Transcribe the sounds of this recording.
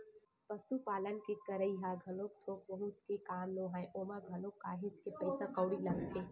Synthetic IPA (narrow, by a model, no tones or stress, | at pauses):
pəsupalənkekəɾəjɦaɡʱəlok̚t̪ʰokbəɦut̪kekamloɦãjʔomãɡʱəlokːaɦet͡ʃʰkepəjsãkəʊɽiləɡt̪ʰe